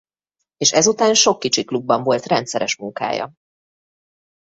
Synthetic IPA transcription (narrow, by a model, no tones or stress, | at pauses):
eːʃɛzut̪aːnʃo̞kːit͡ʃiklubːɒɱvo̞lt̪rɛnt̪sɛɾɛ̰ʃmuŋka̰ːjɒ̰